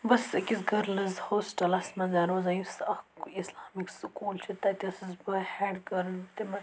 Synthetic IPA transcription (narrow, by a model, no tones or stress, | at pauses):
bɐskisɡʱɐɾlɐzhoːsʈɐlɐsmɐnzaːnoːzɐjisɐkislaːmikskuːlt͡ʃʰit̪ɐt̪ʲɐsizbɐhɛːɖkɐɾnt̪imɐ